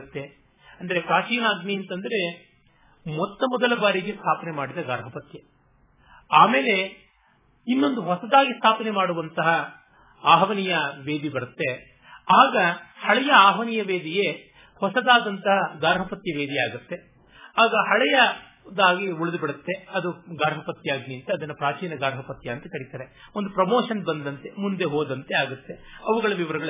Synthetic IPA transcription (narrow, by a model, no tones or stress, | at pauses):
t̪ːe̞ | ɐnd̪ɐɾe̞pɾaːt͡ʃiːnaːɡniɐnt̪ɐnd̪ɐɾe̞ | mɔt̪ːɐmɔd̪ɐlɐbaːɾiɡest̪ʰaːpɐnemaːɽid̪ɐɡa̰ːɾɦɐpɐt̪jɐ | aːmeːle̞ | inːo̞nd̪uɦɔsɐd̪aːɡist̪ʰaːpɐnemaːɽuʋɐnt̪ɐɦɐ | aːɦɐʋɐnijɐʋeːd̪ibɐɾut̪ːe̞ | aːɡɐhɐɭɛjɐaːɦʋɐnijɐʋeːd̪ije | hɔsɐd̪aːd̪ɐnt̪ɐɦɐɡaːɾɦɐpɐt̪jɐʋe̞ːd̪iaːɡut̪ːe̞ | aːɡɐhɐɭɛjɐ | d̪aːɡiuɭɐd̪ubiɽɐt̪ːe̞ɐd̪uɡaːɾɦɐpɐt̪jaːɡniɐnt̪ɐːd̪ɐnːɐpɾaːt͡ʃiːnɐɡaːɾɦɐpɐt̪jɐɐːnt̪ɐkɐɽit̪aːɾe̞ond̪upɾɐmoːʂɐnbɐnd̪ɐnt̪e̞mund̪e̞ɦoːd̪ɐnt̪e̞aːɡut̪ːe̞ɐʋuɡɐɭɐʋiʋɐɾɐɡɐɭ